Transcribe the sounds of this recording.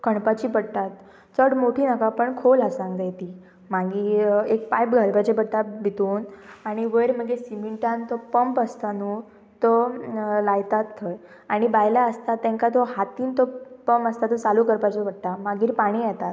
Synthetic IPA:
kʰəɳpat͡ɕiːpəɽt̪at̪ | t͡səɽmoʈʰiːnakapəɳkʰolasãŋɡd̪ajt̪i | maɡiek̚pajpɡʱəlbat͡ɕepəɽt̪abʱit̪uːnaɽ̃iʋəjɾməɡesimiɳʈãnt̪ɔpəmpəst̪anu | t̪ɔlajt̪at̪ʰːəj | aɽ̃ibajljaəst̪at̪ːɛ̃ŋkat̪oɦat̪iːnt̪ɔpəmpəst̪at̪ɔt͡salukəɾpat͡ɕepəɽʈ̪amaɡiːɾpaɽ̃iːjɛt̪at̪

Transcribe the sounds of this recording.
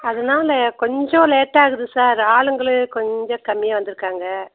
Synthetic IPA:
ɐðɐnaːlɐkɔɲd͡ʒõleːʈːaːɣɯðɯsaːɾaːɭɯŋɡɐɭɯkɔɲd͡ʒɔ̃kɐmːɪjɐʋɐnd̪ɯɾɯkːaːŋɡɐ

